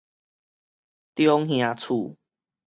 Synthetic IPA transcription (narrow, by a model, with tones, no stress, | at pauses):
t̪jɔ˦ŋhj̃ã˨˩t͡sʰu˨˩